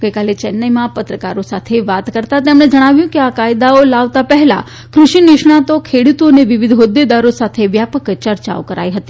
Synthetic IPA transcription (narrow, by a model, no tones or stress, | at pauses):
ɡ̥əjkalet͡ʃɛnːəjmãpət̪ɾəka̰ɾosat̪ʰeʋat̪kəɾt̪at̪emɽ̃ed͡ʒəɽ̃aʋjũkeakajd̪aolaʋt̪apəɦla̰ | kɾuʃinɪʃɳ̃at̪okʰeɽut̪oneʋiʋid̪ʱɦod̪ːed̪aɾosat̪ʰeʋjapəkt͡ʃəɾt͡ʃa̰o̰kəɾa̰jɦət̪i̥